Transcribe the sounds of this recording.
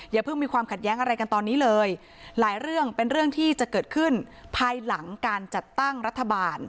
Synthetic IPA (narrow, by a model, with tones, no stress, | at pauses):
jaː˨˩pʰɯ˥˩ŋmiː˧kʰwaː˧mkʰa˨˩jɛː˦˥ŋʔa˧ɾa˧jka˧nt̪ɔː˧nːiː˦˥lɤː˧j | laː˩˦jɾɯ˥˩əŋpe˧nɾɯ˥˩əŋt̪ʰiː˥˩t͡ɕa˨˩ʔkɤː˨˩t̪̚kʰɯ˥˩npʰaː˧jla˩˦ŋkaː˧nt͡ɕa˨˩t̪ːa˥˩ŋɾa˦˥t̪ʰːa˧baː˧n